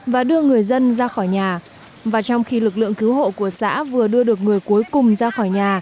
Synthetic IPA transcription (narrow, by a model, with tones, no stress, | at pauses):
vaː˨˩ɗɨ˧əŋɨ˨˩əjzə˧nzaː˧xɔ˧˩jɲaː˨˩ | vaː˨˩t͡ɕɔ˧wŋ͡mxi˧lɨ˨˩k̬̚lɨ̰˧˨əŋkɨ˨˦wɦho̰˧˨ku˧˩əsa̰ː˧˥vɨ˨˩əɗɨ˧əɗɨ˨˩ək̚ŋɨ˨˩əjku˨˦əjkʊ˨˩ŋ͡mzaː˧xɔ˧˩jɲaː˨˩